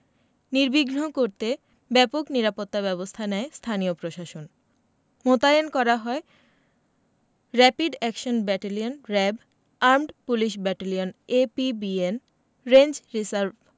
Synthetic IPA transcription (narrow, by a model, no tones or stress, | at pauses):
niɾbiɡnokoɾt̪e | bɛpokniɾapot̪ːaβɛbost̪ʰanɛest̪ʰaniopɾoʃaʃon | mot̪aenkɔɾaɦɔe | ɾɛpiɖɛkʃonbɛʈalionɾɛb | aɾmɖpuliʃ̬bɛʈalionepibien | ɾend͡ʑɾisaɾb